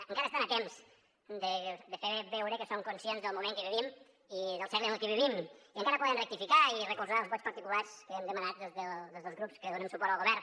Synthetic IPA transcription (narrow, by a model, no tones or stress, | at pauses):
əŋkaɾəst̪anət̪ems | d̪əd̪əfeɾβɛwɾəkəsoŋkunsienzðəlˠmumẽŋkəβiβim | iðəlˠsɛɾlənəlˠkɛβiβimiəŋkaɾəpɔðənrək̚t̪ifikairəkulzaəlˠzβɔt͡ʃpəɾt̪ikulˠaskəɛmd̪əmənat̪̚d̪ezðəd̪ezðəlˠzɣɾupskəðunəmsupɔɾt̪əlˠɣuβɛɾ